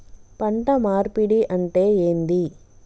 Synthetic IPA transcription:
pɐɳʈɐmaːɾpiɽiʔɐɳʈeːeːnd̪i

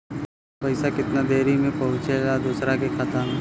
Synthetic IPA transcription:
pɐɪsakɪt̪nad̪eːɾimẽpɐɦʊ̃t͡ʃeɡad̪uːsɾakekʰat̪an

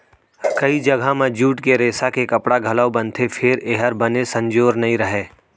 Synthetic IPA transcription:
kɐid͡ʒɐɡʱamẽd͡ʒuːʈkeɾeːsakekɐpɽaɡʱɐlaobɐ̃nt̪ʰepʰɪɾeːɦəɾbɐnesɐ̃ɲd͡ʒoːɾnɐɦĩɾɐɦeː

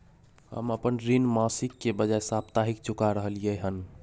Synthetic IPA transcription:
hə̰məpənɾinmasikːebəd͡ʒaesap̚t̪aɦikt͡ʃukaɾəɦəlijəɦən

